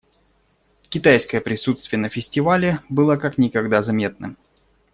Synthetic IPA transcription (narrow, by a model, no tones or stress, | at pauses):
kʲɪt̪ajskəjəpɾʲɪsut̪st̪vʲɪjənəfʲɪsʲtʲɪvalʲɪbɨlˠakaknʲɪkɐɡd̪azɐmʲe̞t̪nə